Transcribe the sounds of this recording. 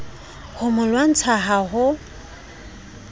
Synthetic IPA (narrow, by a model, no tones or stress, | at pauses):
hʊmʊlwan̩t͡sʰaɦaɦʊ